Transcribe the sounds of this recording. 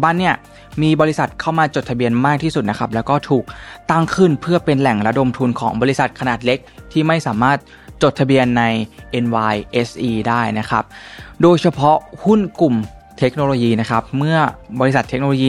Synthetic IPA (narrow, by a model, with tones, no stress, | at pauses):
baː˥˩˨nːi˥˩ɐ | miː˧bɔː˧ɾi˦˥sa˨˩t̪̚kʰa˥˩wmaː˧t͡ɕo˨˩t̪ʰa˧bi˧ənmaː˥˩k̪̚ʰiː˥˩su˨˩t̪̚na˦˥kʰa˦˥p̚lɛː˦˥wkɔː˥˩t̪ʰuː˨˩k̚t̪a˥˩ŋkʰɯ˥˩npʰɯ˥˩ɐpe˧nlɛ˨˩ŋɾa˦˥do˧mt̪ʰu˧nkʰɔ̰ː˩˦ŋbɔː˧li˧˥sa˨˩t̪̚kʰa˧naː˨˩t̪̚le˦˥k̚t̪ʰiː˥˩ma˥˩jsaː˩˦maː˥˩t̪̚ | t͡ɕo˨˩t̪ʰːa˧bi˧ənːa˧jʔe˧nwaː˧jʔe˦˥sʔiː˧daː˥˩jna˦˥kʰa̰˦˥p̚doː˧jt͡ɕʰa˧pʰɔ˦˥hu˥˩nku˨˩m | t̪ʰe˦˥k̚noː˧loː˧jiː˧na˦˥kʰa˦˥p̚mɯ˥˩ɐbɔː˧ɾi˧˥sa˨˩t̪ʰe˦˥k̚noː˧lo˧jiː˧